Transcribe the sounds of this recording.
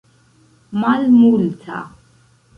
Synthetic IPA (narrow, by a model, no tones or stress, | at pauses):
malmultʰa̰